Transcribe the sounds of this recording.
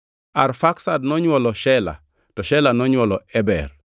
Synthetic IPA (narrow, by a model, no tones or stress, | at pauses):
aɾfaksadnɔɲwɔlɔʃɛla̰ | tɔʃɛlanɔɲwolɔɛbɛ̰ɾ